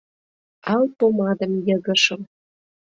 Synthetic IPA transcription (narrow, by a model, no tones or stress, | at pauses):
ɑlpomɑd̪ə̆mjɤ̆ɣə̆ʃə̆m